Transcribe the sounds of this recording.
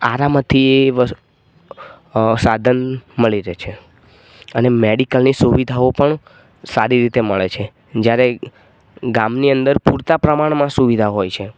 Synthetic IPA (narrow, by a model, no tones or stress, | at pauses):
aɾamt̪ʰːieʋə | sad̪ʱənməɭiɾet͡ʃʰe | ənemeɽikəlnisuʋid̪ʱaopəɳ | saɾiɾit̪eməɭet͡ʃʰe | d͡ʒjaɾe | ɡamniənd̪əɾpuɾt̪apɾəmaɳ̃mãsuʋid̪ʱaɦojt͡ʃʰe